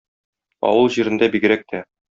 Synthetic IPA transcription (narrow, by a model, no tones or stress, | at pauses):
ɒ̰wɤlˠʑiɾɘ̆nd̪æbiɡɘ̆ɾæk̚t̪ʰæ